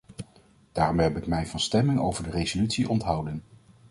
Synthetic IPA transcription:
d̥aːrɔmɦɛpɪkmɛjvɑnstɛmɪŋowvəɹdərejzolytsiʔɔntɦɑwdən

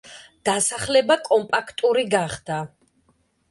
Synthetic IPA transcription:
d̪̥asaχlɛbakʼɔmpʼakʰt̪ʼuɾiɡaχd̪̥a

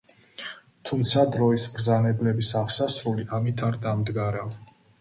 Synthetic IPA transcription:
t̪ʰumt̪sʰad̪ɾɔisbɾd̪zanɛblɛbisaʁsasɾuliʔamit̪ʰaɾd̪amd̪ɡaɾav

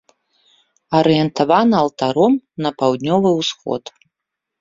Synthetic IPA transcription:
ɐɾɨjɛnt̪avanɐːwt̪aɾɔmnɐpawd̪ʲnʲɔvɨwsxɔ̰t̪

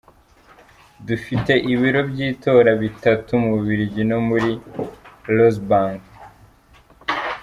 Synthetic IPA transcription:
dufite̞ʔiβiɾo̞bɟiːto̞ɾaβitatumuβiɾiɟinomuɾi | los̬baːŋɡ

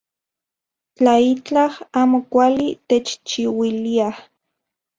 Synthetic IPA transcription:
t͡ɬait͡ɬahaːmokʷalit̪et͡ʃt͡ʃiwiliah

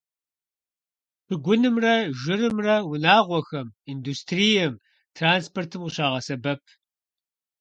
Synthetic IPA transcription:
b̥ʰɨɡʷʊnɨmrɐʒɪrɨmrɐwʊnaːʁʷɔxɐmiːnduːstʰrijɛm | tʰraːnspʰortʰɨmqəɕaːʁɐsɐbɐp̚ʰ

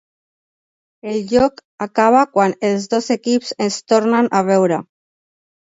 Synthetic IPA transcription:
elʎokakaβ̞akwanelzðozekipsest̪oɾnanʔaβ̞ewɾa

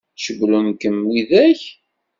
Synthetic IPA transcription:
ʃəɡlunkəmːiðæç

